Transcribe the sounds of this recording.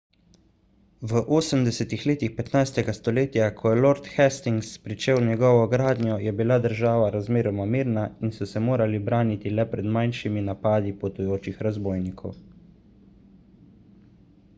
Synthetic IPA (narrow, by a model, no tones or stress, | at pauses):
ʋəʔoːsəmd̪ɛsɛt̪ixleːt̪ixpɛt̪najst̪ɛɡast̪ɔleːt̪jakʰɔjɛloɾt̪xɛst̪iŋɡspɾit͡ʃeːwnjɛɡɔːʋɔɡɾaːd̪njɔjɛbilad̪əɾʒaːʋaɾazmeːɾɔmamiːɾnainsɔsɛmoːɾalibɾaːnit̪ilɛpɾɛd̪majnʃiminapaːd̪ipɔt̪ujoːt͡ʃixɾazboːjnikʰɔw